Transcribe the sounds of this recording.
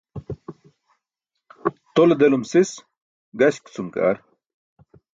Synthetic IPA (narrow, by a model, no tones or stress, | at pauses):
t̪old̪elumsis | ɡɐɕkt͡sumka̰ːɾ